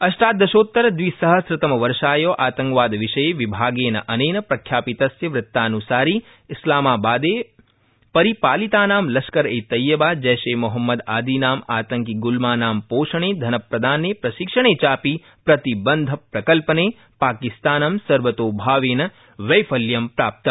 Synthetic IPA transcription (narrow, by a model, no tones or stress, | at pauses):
ɐʃʈaːd̪ɐʃoːt̪ːɐɾɐd̪ʋisɐɦɐsɾɪt̪ɐmɐʋɐɾʂaːjoːʔaːt̪ɐ̃ŋkʋaːd̪ʋiʃɐjeːʋibʱaːɡeːnɐʔɐneːnɐpɾɐkʰjaːpit̪ɐsjɐʋɾɪt̪ːaːnusaːɾiː | ɪslaːmaːbaːd̪eː | pɐɾipaːlit̪aːnaːmlɐsʃkɐɾeːt̪ɐjːɐbaːd͡ʒɛːʃeːmuɦɐmːɐd̪aːd̪iːnaːmaːt̪ɐŋkiɡulmaːnaːmpoːʃɐɳeːd̪ʱɐnɐpɾɐd̪ʱaːneːpɾɐʃikʂɐɳ̃eːt͡ʃaːpi | pɾɐt̪ibɐnd̪ʱɐpɾɐkɐlpɐneː | paːkist̪aːnɐmsɐɾʋɐt̪oːbʱaːʋeːnɐ | ʋɐjfʰɐljɐmpɾaːp̚t̪ɐm